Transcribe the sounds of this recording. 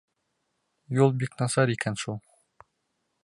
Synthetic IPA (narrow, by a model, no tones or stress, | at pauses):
julˠbiknɑsɑɾikænʃulˠ